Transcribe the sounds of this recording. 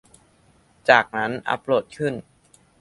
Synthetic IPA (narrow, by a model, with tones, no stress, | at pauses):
t͡ɕaː˨˩k̚na˦˥nʔa̰˧˦˥pːɾoː˨˩t̪̚kʰɯ˥˩n